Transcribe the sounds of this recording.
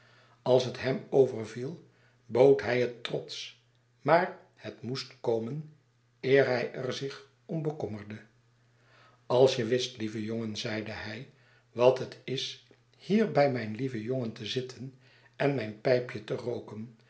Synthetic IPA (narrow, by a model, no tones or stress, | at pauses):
ɑlˠsɦətɦɛmowvərvilˠ | bowtɦɛjɦətrɔts | maːɹ | hətmustkowmən | ɪːɹɦɛjərzɪχ | ɔmbəkɔməɹdə | ɑlˠsjəʋɪstlivəjoŋənzɛjdəhɛj | ʋɑtətɪs | hiːɹbɛjmɛjnlivəjoŋəntəzɪtʰən | ɛnmɛjnpɛjpjətərowkən